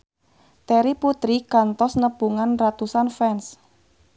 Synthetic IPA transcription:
t̪ɛɾiput̪ɾikant̪ɔsnəb̥uŋanrat̪usanfɛns

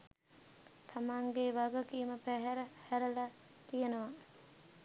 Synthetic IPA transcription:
t̪ʰamaŋɡeʋaɡəkiːməpæɦɛɾəhæɾəla | t̪ijənəʋa

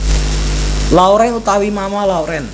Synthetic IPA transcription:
lawɾɛnut̪awimamalauɾɛn

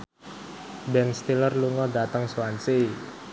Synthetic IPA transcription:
bɛnst̪ilərluŋɔdat̪əŋsuwansi

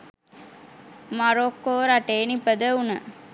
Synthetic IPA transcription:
maɾokːoːɾaʈeːnipəd̪əunə̰

